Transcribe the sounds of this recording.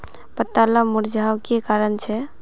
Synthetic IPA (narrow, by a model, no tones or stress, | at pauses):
pət̪ːalamuɾd͡ʒʱawkekaɾənt͡ʃʰɛ